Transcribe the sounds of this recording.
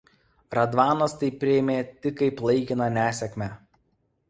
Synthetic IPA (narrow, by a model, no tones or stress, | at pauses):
ɾɐd̪ʋɑːnɐst̪ɐɪpʲːɾʲɪɛmʲeːt̪ʲɪkːɐɪplˠɐɪkʲɪnɐnʲæːsʲɛkʲmʲæː